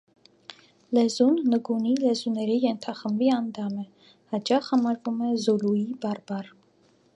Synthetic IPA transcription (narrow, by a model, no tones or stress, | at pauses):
lɛzunːəɡunilɛzunɛɾijɛnt̪ʰɑχəmbiɑnd̪ɑmə | hɑt͡ʃɑχhɑmɑɾvumɛzuluibɑɾbɑr